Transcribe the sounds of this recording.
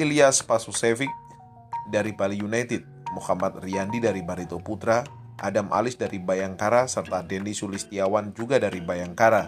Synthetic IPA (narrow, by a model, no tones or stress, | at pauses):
iliaspasusɛfik̚ | daɾipalijunajt̪ɪt̪̚muhamat̪̚riandidaɾibaɾit̪oput̪ɾa | ʔa̰damʔa̰lɪsdaɾibajaŋkaɾasərt̪adɛndisulist̪iawand͡ʒuɡadaɾibajaŋkaɾa